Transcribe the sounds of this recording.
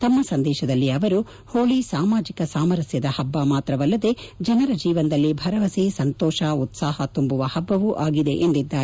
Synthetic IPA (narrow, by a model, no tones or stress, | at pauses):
t̪ɐmːɐsɐnd̪ɛːʃɐd̪ɐlːiɐʋɐɾu | hoːɭisaːmaːd͡ʒikɐsaːmɐɾɐsjɐd̪ɐhɐbːaːmaːt̪ɾɐʋɐlːɐd̪e̞d͡ʒɐnɐɾɐd͡ʒiːʋɐnd̪ɐlːibʱɐɾɐʋɐseːsɐnt̪ɔːʃaut̪saːɦɐt̪umbuʋɐhɐbːɐʋuʔaːɡid̪e̞̰ʔend̪id̪ːaːɾe